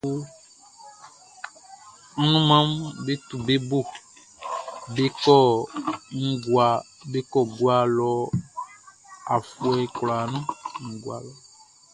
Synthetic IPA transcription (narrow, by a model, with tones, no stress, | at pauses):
u˦ | nũ˦mã˦mbe˦t̪u˨be˦bo˦˨ | be˦kɔ˦˨ŋ̩˦ɡwa˨ | be˦kɔ˦˨ɡwa˨lɔ˨ | a˨fu˨ɛ˨i˨kla˨nũ˦ŋ̩˨ɡwa̰˨lɔ˨